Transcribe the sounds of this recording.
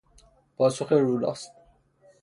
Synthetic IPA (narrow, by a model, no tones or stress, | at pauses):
pʰɒːsoχeɾuːlɒ̰ːst̪̚